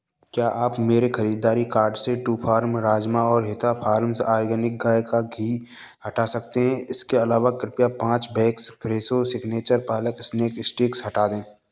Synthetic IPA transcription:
kjaːʔaːpmeːɾexɐɾiːd̪ːaːɾikaːɾɖseʈuːpʰaːɾmɾaːd͡ʒmaɔːɾɦɪt̪apʰaːɾmsaːɾɡɛːnɪk̚ɡaːjkaɡʱiːhɐʈasɐk̚t̪eɦɛ̃ɪskeɐlaːʋakɾɪpijapãːt͡ʃbɛːkspʰɾeːsosɪɡneːt͡ʃəɾpaːləkɪsneːkɪsʈeːksɦɐʈaːd̪ẽː

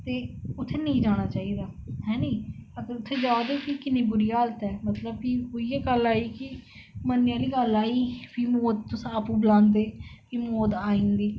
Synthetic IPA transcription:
t̪eːʊt̪ʰːeːnəĩːd͡ʒaːɽ̃aːt͡ʃaːiːd̪aːɦɛ̃ːniːəɡəɾʊt̪ʰːeːd͡ʒaːd̪eːkikɪnːiːbʊɾiːaːlət̪ɛːmət̪ləb̚kiɦoːiːɛːɡəlːaːiːkɪ | mənːɪjãːliːɡəlaːiːpʰiːmoːd̪̚t̪ʊsaːpũːbəlãːnd̪eːpʰiːmoːd̪aːĩːnd̪iː

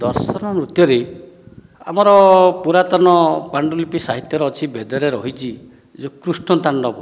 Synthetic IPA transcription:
d̪ɔɾsɔnɔɾut̪jɔɾe | a̰mɔɾɔpuɾat̪ɔnɔpaɳɖɔlipisaɦit̪jɔɾɔːt͡ʃʰibed̪ɔɾeɾɔɦit͡ʃʰi | d͡ʒokɾusʈɔt̪aɳɖɔbɔ

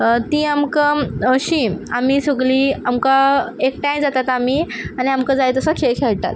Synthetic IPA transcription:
t̪ĩamkəəɕĩamisəɡliːamkaekʈãjd͡zat̪at̪amianiamkãd͡zajet̪əsəkʰelkʰelt̪a̰t̪

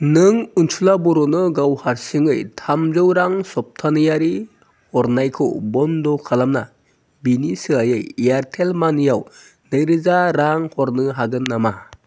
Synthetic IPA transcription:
nɯŋunsʰulabɔɾɔnɯɡawhaɾsiŋɯjtʰamzɯwɾaŋsɔp̚tʰanɯjaɾi | hɔɾnajkʰɯ̰bɔndɔkʰalamna | binisɯajɯjiaɾtʰelmanɯjaw | nɯjɾɯzaɾaŋhɔɾnɯɦaɡɯnːama

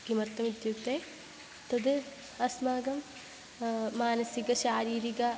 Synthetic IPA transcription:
ɡimɐɾt̪ɐmid̪jukt̪eː | t̪ɐd̪ɨ | ɐsmaːɡɐm | aːnɐsikɐʃaːɾiːɾiɡɐ

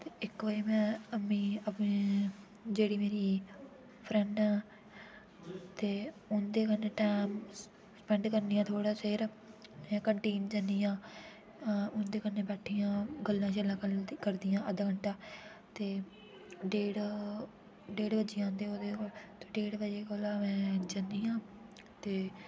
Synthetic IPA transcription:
t̪eːɪkʋəiːmɛ̃ːəmĩːəpː | d͡ʒeːɽiːmeːɾiː | pʰɾɛɳɖɛ̃ː | t̪eːʊnd̪eːkəneːʈaːm | spɛ̃ɳɖkəɾniːjãːt̪ʰoːɽaːseɾ | mɛ̃ːkəɳʈiːnd͡ʒənd̪iːãː | ʊnd̪eːkənːeːbɛːʈʰijãːɡəlːãːt͡ʃəlãːkkəɾd̪ijãːʔəd̪kəɳʈaː | t̪eː | ɖeːɽ | ɖeːɽbəd͡ʒiːãːnd̪eoːd̪eːkolt̪eːɖeːɽbəd͡ʒeːkoːlaːmɛ̃ːd͡ʒənd̪iːjãː | t̪eː

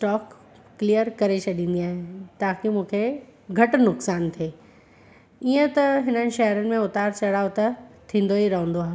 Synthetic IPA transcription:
sʈɔːkː | liːjəɾkɐɾet͡ɕɐɗĩːnd̪iaːɦẽt̪aːkimũːkʰeɡʱɐʈnʊksaːnt̪ʰieː | iːə̃t̪ɐɦɪnənɪ̆ʃɛɦɾənɪ̆mẽʊt̪aːɾt͡ɕɐɽaːjot̪ɐt̪ʰĩːn̆d̪oiɾɐɦə̃nd̪oaːɦe

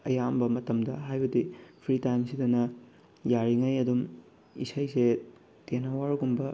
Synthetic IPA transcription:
ɐjambɐmɐtɐmdɐɦajbɐdipʰɾitajnsidɐnɐ | jaɾiŋajɐdum | ḭsajse | tenɐwaɾɡumbɐ

